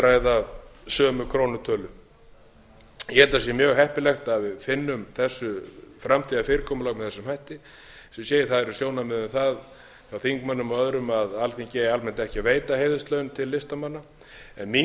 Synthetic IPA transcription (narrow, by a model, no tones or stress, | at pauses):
ɾajðasœːmʏkʰɾownʏt̪ʰœːlʏ | jɛhɛlt̪as̬jɛmjœːɣɦɛhpɪlɛxt̪aðvɪðfɪnːʏmθɛsːʏfɾamt̪ʰiːðafɪːɾɪkʰɔːmʏlaɣkmɛðθɛsːʏmhajht̪ɪ | sɛsjeːjɪθaðɛɾʏsjoːwnamɛðʏmθað | jawθiŋkmanːʏmaœðɾʏmaðalθiŋcɛːjalmɛnt̪ɛhcɪveːjt̪aheːjðʏst̪lœɥnt̪ʰɪlːɪst̪amanːa | ɛnmi